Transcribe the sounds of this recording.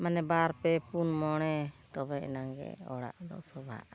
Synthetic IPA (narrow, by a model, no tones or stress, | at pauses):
manɛbaɾpɛpunmɔɽ̃ɛt̪ɔbɛɛ̰naŋɡɛ̰ɔ̰ɽa̰ʔd̪ɔ̰sɔbʱa̰ʔ